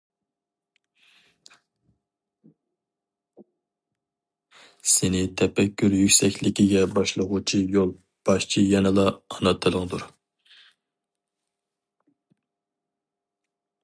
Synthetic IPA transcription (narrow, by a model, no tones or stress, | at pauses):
senɪt̪ʰɛpɛkʲʰːyɾjykʲsɛkʲlɪkʲiɡʲɛbɑʃlˠəʁʊt͡ʃʰijolˠ | b̥ɑʃt͡ʃʰijɛnɨlˠɑːnɑt̪ʰːɨlˠɨŋd̪uɾ